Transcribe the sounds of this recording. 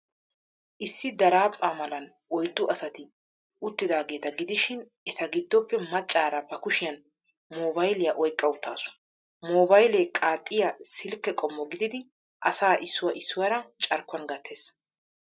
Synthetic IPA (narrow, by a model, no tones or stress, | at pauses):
ʔɪsːɪd̪ɐɾaːpʼːaːmɐlɐn | ɔjd̪ːʊʔɐsɐt̪ɪ | ʊt̪ːɪd̪aːɡe̞ːt̪ɐɡɪd̪ɪʃɪn | ɛt̪ɐɡɪd̪ːɔpːɛmɐt͡ʃʼːaːɾɐbɐkʊʃɪjɐn | moːbɐjlɪjɐʔɔjkʼːɐwʊt̪ʰːaːsʊ̥ | moːbɐjleːkʼaːt̪ʼːɪjɐsɪlkːɛkʼɔmːɔɡɪd̪ɪd̪ɪ | ʔɐsaːʔɪsːʊwɐʔɪsːʊwɐɾɐt͡ʃʼɐɾkːʊɐnɡɐt̪ʰːe̞ːs